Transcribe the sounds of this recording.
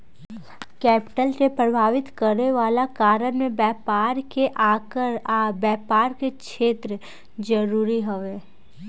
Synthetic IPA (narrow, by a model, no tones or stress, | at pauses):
kɛːpɪ̥ʈəlsepɾəbʱaːʋɪt̪kəɾneʋaːlakaːɾənmẽbɛːpaːɾkeʔaːkəɾabjɛːpaːɾkekʃeːt̪ɾə | d͡ʒəɾuːɾiɦoʋeː